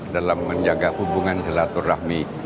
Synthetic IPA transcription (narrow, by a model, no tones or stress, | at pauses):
dalamːəɲd͡ʒaɡahubuŋansəlat̪ɔrahmi